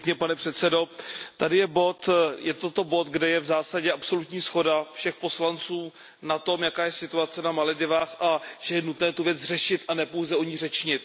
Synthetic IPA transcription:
kɲɛpanɛpr̝̥ɛt̪sɛdo̞t̪adɪjɛbo̞t̪jɛt̪ot̪o̞bo̞t̪ɡdɛjɛvzaːsaɟɛʔapso̞lut̪ɲiːsxo̞dafʃɛxpo̞slant͡suː | nat̪o̞mjakaːjɛsɪt̪uat͡sɛnamalɪdɪvaːxʔaʒ̥ɛjɛnut̪nɛːt̪uvjɛd͡zr̝ɛʃɪt̪ʔanɛpowzɛʔoɲiːr̝ɛt͡ʃɲɪt̪̚

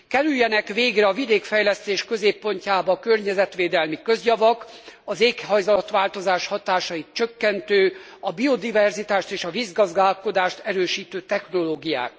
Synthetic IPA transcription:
kɛɾyjːɛnɛkʋeːɡrɛɒvid̪eːkfɛjlɛst̪eːʃkø̞zeːpːo̞ɲcaːbɒkø̞rɲɛzɛt̪ʋeːd̪ɛlmikø̞zjɒvɒkɒzeːkhɒjzɒlɒt̪ʋaːlt̪o̞zaːʃhɒt̪aːʃɒjit̪t͡ʃøkːɛnt̪øː | ɒbio̞d̪ivɛrzit̪aːʃt̪eːʃɒvizɡɒzɡaːlko̞d̪aːʃt̪ɛɾøːʃiːt̪øːt̪ɛxno̞loːɡija̰ːk

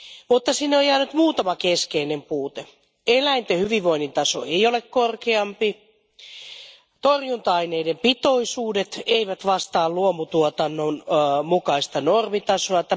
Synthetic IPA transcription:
mut̪ːɑsinːeojjæːnyt̪muːt̪ɑmɑkeskeinempuːt̪e | elæint̪ehyʋiʋʋoinːint̪ɑso̰eiolekkorkeɑmpi | t̪orjunt̪ɑineidempit̪oisuːdet̪eiʋæt̪ʋɑst̪ɑːlluomut̪uot̪ɑnːonmukɑist̪ɑnormit̪ɑsoɑt̪æ

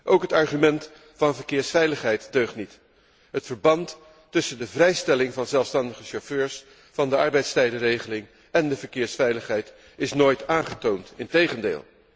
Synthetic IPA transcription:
ʔowkɦətɑɹχymɛnt | fɑnvəɹkɪːɹsfɛjləχɦɛjtdøɥχtnit | ɦətfəɹbɑntː | ɵsəndəvrɛjstɛlɪŋvɑnzɛlˠfstɑndəχəʃoføːɹs | fɑndəɑɹbɛjtstɛjdərejχəlɪŋ | ɛndəvəɹkɪːɹsfɛjləχɦɛjt | ɪsnoːjtaːnχətowntɪntejχəndḛːlˠ

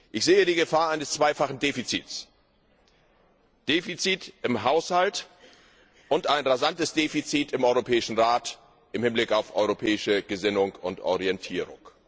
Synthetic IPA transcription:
ʔɪçz̥eːədiːɡəfaːɐʔaɪnəst͡sv̥aɪfaχn̩deːfit͡sḭːs | d̥eːfit͡siːtɪmɦaʊshalt | ʔʊntaɪnʁazantəsd̥eːfit͡siːtɪmʔɔʏʁopʰɛːɪʃn̩ʁaːt | ʔɪmhɪnblɪkaʊfʔɔʏʁopʰɛːɪʃəɡ̥əzɪnʊŋʊntʔɔ̰ʁiɛntʰiːʁʊ̰ŋ

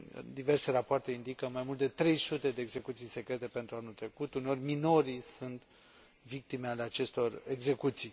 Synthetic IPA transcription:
d̪iverse̞ɾapoart̪e̞ind̪ikəmajmult̪d̪e̞t̪ɾe̞jsut̪e̞d̪e̞ːɡze̞kut̪sijse̞kɾe̞t̪e̞pe̞nt̪ɾuanult̪ɾe̞kut̪uneo̞rʲmino̞ɾisunt̪ | vik̚t̪imealeat͡ʃe̞st̪o̞re̞ɡze̞kut̪sij

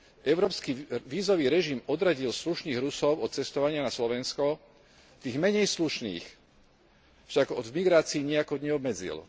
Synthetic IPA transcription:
ʔɛʊɾɔːpskiʋiːzɔʋiːɾɛʒimɔd̪ɾaɟilsluʃniːɣɾusɔʊɔt̪̚t͡sɛst̪ɔʋaɲɪanaslɔʋɛnskɔ | t̪iːɣmɛɲɛjsluʃnḭːx | fʃaɡɔd̪vmiɡɾaːt͡siːɲɛakɔd̪ɲɛɔbmɛd͡zḭl

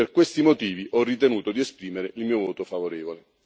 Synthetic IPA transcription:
erkwest̪imot̪iːviʔɔrːit̪enuːt̪od̪iespɾiːmeɾeʔilmiːovoːt̪ofavoɾeːvole

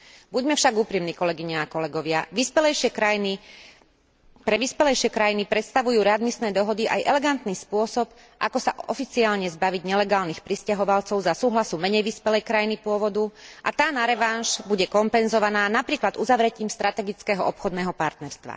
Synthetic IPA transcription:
buɟmɛfʃaɡupɾimniːkɔlɛɡiɲaakɔlɛɡɔʋɪaʋispɛlɛjʃɪɛkajini | pɾɛʋispɛlɛjʃɪɛkɾajinipɾɛt̪st̪aʋujuːɾɛad̪misnɛːd̪ɔɦɔd̪iʔa̰jʔɛlɛɡant̪niːspʊɔsɔp | ʔakɔsaʔɔ̰fit͡siaːlɲɛzbaʋiɟɲɛlɛɡaːlnixpɾiscaɦɔʋalt͡sɔʊzasuːɦlasumɛɲɛjʋispɛlɛjkɾajinipʊɔʋɔd̪uʔa̰t̪aːnaɾɛʋanʃbuɟɛkɔmpɛnzɔʋanaːnapɾiːklad̪uzaʋɾɛɟimst̪ɾat̪ɛɡit͡skɛɦɔʔɔpxɔd̪nɛːɦɔpaɾt̪nɛɾst̪ʋa̰

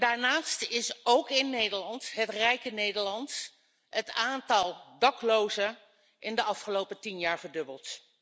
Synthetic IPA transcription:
daːɹnaːstɪsowkɪnːejdəɹlɑntɦətrɛjkənejdəɹlɑnt | ətaːntɑlˠdɑklowzə | ʔɪndəɑfχəlowpətinjaːɹvəɹdɵbəlˠt

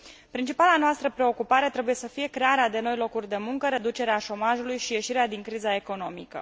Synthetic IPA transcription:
pɾint͡ʃipalanoast̪ɾəpɾe̞o̞kupaɾe̞t̪ɾe̞buje̞səfije̞kɾe̞aɾead̪e̞no̞jlo̞kurʲd̪e̞muŋkəɾe̞d̪ut͡ʃe̞ɾeaʃo̞maʒulujʃije̞ʃiɾead̪iŋkɾizae̞ko̞no̞mikə̰

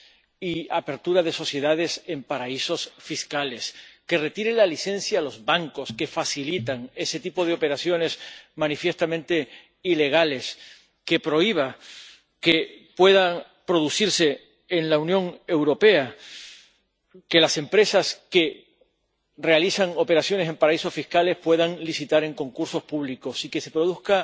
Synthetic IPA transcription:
iape̞ɾt̪uɾaðe̞so̞θje̞ðaðe̞se̞mpaɾaiso̞sfiskale̞ske̞re̞t̪iɾelaliθenθjaːlo̞zβaŋko̞ske̞fasilit̪aŋe̞se̞t̪ipo̞ð̞eo̞pe̞ɾaθjo̞ne̞smãnifje̞st̪amẽnt̪e̞ | ile̞ɣ̞ale̞s | ke̞pɾo̞iβ̞a | kepwe̞ða | pɾo̞ðusiɾse̞ː | nlaunjõ̞ŋe̞wɾo̞pe̞a | ke̞lase̞mpɾe̞saske̞ | re̞alisaŋo̞pe̞ɾasjo̞ne̞sempaɾaiso̞fihkale̞hpwe̞ðaŋlisit̪aɾe̞ŋko̞ŋkuɾso̞spuβ̞liko̞sike̞se̞pɾo̞ðuθka

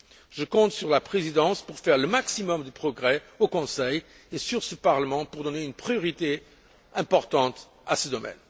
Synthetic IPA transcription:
ʒəkɔ̃t̪syʁlapχezid̪ɑ̃spuʁfɛʁləmaksimɔmd̪əpχɔɡʁɛokɔ̃sɛj | esyʁsəpaʁləmɑ̃puʁd̪ɔneynpχijɔʁit̪e | ɛ̃pɔʁt̪ɑ̃t̪ | asəd̪ɔmɛ̰n

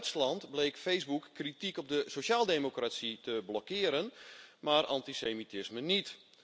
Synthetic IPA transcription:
ɥslɑntblejkfejsbukːritikɔb̚dəsoʃaːlˠdeːmokrasitəblɔkɪəɾənmaːrʔɑ̰ntisemitɪsmənit

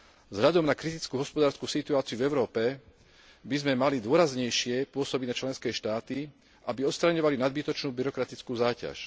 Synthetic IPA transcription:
vzɦʎad̪ɔmnakɾit̪it͡skuɦɔspɔd̪aːɾskusit̪uaːt͡siuvɛʊɾɔːpɛ | bizmɛmalid̪ʊɔɾazɲɛjʃɪɛpʊɔsɔbiɟnat͡ʃlɛnskɛːʃt̪aːt̪i | ʔabiɔt̪st̪ɾaɲɔʋalinad̪̚bit̪ɔt͡ʃnuːbiɾɔkɾat̪it͡skuːzaːca̰ʃ

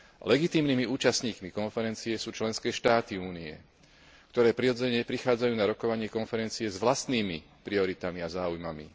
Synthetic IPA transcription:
lɛɡit̪iːmniːmiuːt͡ʃasɲiːkmikɔnfɛɾɛnt͡sijɛsuːt͡ʃlɛnskɛːʃt̪aːt̪iuːniɛ̰ | kt̪ɔɾɛːpɾiɾɔd͡zɛɲɛpɾixaːd͡zajuːnaɾɔkɔʋaɲɪɛkɔnfɛɾɛnt͡sijɛzʋlast̪niːmi | pɾiɔɾit̪amiazaːujmamḭ

